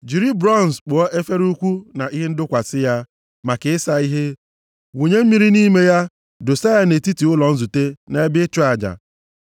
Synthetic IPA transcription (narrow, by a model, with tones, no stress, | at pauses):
d͡ʒi˨ɾi˦bɾɔ˦˨n˨sk͡pʊ˨ɔ˦ʔe˦fe˦ɾu˦kʷu˦na˨i˦ɦe˦n̩˦dʊ˦kʷa˨sɪ˦ja˦ | ma˨kɪ˨ɪ˦sa˦i˦ɦe˦ | wo˨ɲe˦m̩˦mi˦ɾi˦ni˦me˦ja˦ | dʊ˨sa˦ja˦ne˨ti˦ti˨ʊ˦lɔ˨n̩˦zu˨te˦ne˦e˦bɪ˦t͡ʃʊ˦a˨d͡ʒa̰˨